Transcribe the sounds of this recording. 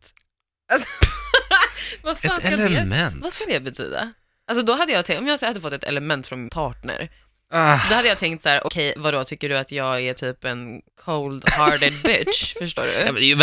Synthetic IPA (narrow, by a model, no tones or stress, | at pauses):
t̪ | as | vafaːnaɛmɛnvaskad̪ɛbɛt̪ʰy̰ːd̪a̰ | als̬ɔd̪ɔɦad̪ːəjɑːɡt̪ʰɛɔmjɑːshad̪ːəfɔt̪ːɛt̪ɛ̰lɛmɛnt̪fɾɔnmɪnpʰɑːʈɳə̰ɾ | d̪ɔad̪ːjɑːt̪ʰɛŋkt̪sæːɾʔɔ̰kʰɛjvaɾɔt̪ʰʏkːəɖɵat̪jɑːɡæʈʰyːpɛnkʰowld̪hɑɾɖɛd̪bɪʃfœʂʈo̰ːɖɵ̰ɛmɛnd̪ɛj